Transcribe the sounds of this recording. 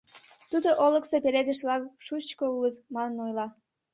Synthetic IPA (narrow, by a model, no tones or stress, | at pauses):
t̪ud̪oʔoləksepeɾed̪ə̆ʃlɑkʃut͡ɕkoulət̪mɑnənojlɑ